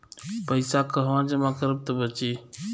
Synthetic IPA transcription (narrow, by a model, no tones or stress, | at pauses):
pəjsakəɦʋãd͡ʒəmakəɾəb̚t̪əbət͡ʃi